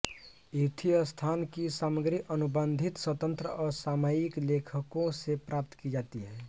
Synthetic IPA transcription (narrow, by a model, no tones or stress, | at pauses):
it̪ʰijəst̪ʰaːnkisaːməɡɾiʔənʊbə̃nd̪ʱɪt̪swət̪ə̃nt̪ɾəɔːɾsaːmajɪkleːkʰəkõsepɾʔaːp̚t̪kid͡ʒaːt̪iɦɛː